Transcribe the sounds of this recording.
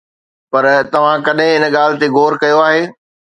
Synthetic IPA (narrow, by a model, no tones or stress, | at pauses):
pɐɾt̪ɐʋ̤ãkɐɗɦɪ̃ɪnɠaːlɪ̆t̪eɡʱoːɾkɐjoaːɦeː